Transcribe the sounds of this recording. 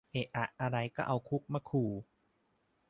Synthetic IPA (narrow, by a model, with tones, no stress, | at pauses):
ʔe˨˩ʔʔa˨˩ʔa˧ɾa˧jkɔː˥˩ʔa˧wkʰu˦˥k̚ma˦˥˩kʰuː˨˩